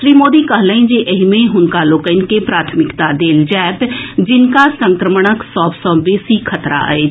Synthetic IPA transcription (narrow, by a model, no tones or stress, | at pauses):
ʃɾiːmoːd̪iːkəɦləĩd͡ʒeʔəɦimẽɦʊnkaloːkəɪnkepɾaːt̪ʰmɪkt̪ad̪eːld͡ʒɛːt̪d͡ʒɪnkasə̃ŋkɾəməɽ̃əksɔːbsɔːbeːsikʰət̪ɾa̰eː